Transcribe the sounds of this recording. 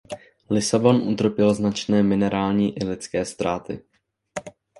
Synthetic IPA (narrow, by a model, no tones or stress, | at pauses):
lɪsabo̞nʔut̪r̩pɪlznat͡ʃnɛːmɪnɛɾʔaːlɲiːʔɪlɪt͡skɛːst̪ɾʔaːt̪ɪ̰